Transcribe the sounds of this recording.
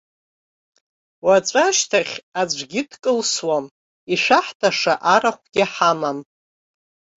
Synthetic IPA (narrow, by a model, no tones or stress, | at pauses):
wat͡ʃʷʼaʃtʰaχʲad͡ʒʷɡʲɪdkʼɨlswam | iʂaħtʰaʂaʔaɾaχʷɡʲɪħamam